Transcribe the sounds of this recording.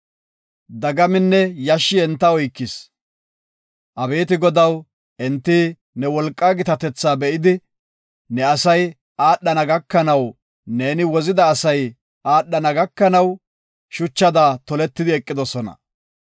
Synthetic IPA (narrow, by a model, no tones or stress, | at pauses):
d̪ɐɡɐmɪnːɛjɐʃːɪɛnt̪ːɐɔjkːɪs | ʔɐbe̞ːt̪ɪɡɔd̪ɐw | ʔɛnt̪ːɪ | nɛwɔlkʼːaɡɪt̪ɐt̪ɛt͡sːaːbɛʔɪd̪ɪ | nɛɐsɐj | ʔaːɗːɐnɐɡɐkːɐnɐw | ne̞ːnɪwɔzɪd̪ɐːsɐj | aːɗːɐnɐɡɐkːɐnɐw | ʃʊt͡ʃːɐd̪aːt̪ɔlɛt̪ːɪd̪ɪɛkʼːɪd̪ɔsɔnɐ̰